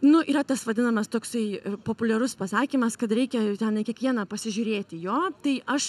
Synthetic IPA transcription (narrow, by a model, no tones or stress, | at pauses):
nʊʔiːɾɐt̪ɐsʋɐd̪ʲɪnɐmɐst̪oːksɐɪɪpoːpʊlʲɛɾʊspɐsɑːkʲimɐskɐt̪ɾʲɛɪkʲɛt̪ʲɛnɪkʲiɛkʋʲiɛnɐpɐsʲɪʒʲʊːɾʲeːt̪ʲɪjoːt̪ɐɪʔɐʃ